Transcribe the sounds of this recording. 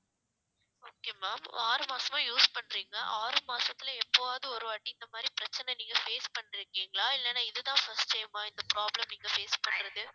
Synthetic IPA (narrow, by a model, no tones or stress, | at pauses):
oːkeːmaːmaːɾɯmaːsɐmãːjuːspɐɳːɾiːŋɡɐʔaːɾɯmaːsɐt̪ːɪlɛpːɐʋaːðɯɔɾɯɐːʈːiɪnd̪ɐmaːd̪ɾipɪɾɐt͡ʃːɐnɛniːŋɡɐfeːspɐɳːɪɾɯkːiːŋɡɐɭaːɪlːɛnːaːɪðɯt̪ãːfɐsʈʈɐɪmaːɪnd̪ɐpɾaːblɐmniːŋɡɐfeːspɐɳːɾɐðɯ